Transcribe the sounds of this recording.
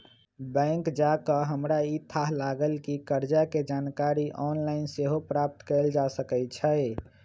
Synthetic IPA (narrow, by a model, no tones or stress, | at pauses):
bɛ̃ŋkd͡ʒakəɦəmɾait̪ʰaɦlaɡəlkikəɾd͡ʒaked͡ʒankaɾiʔɔnlaɪnseɦopɾap̚t̪kəɪld͡ʒasəkɛt͡ʃʰəɪ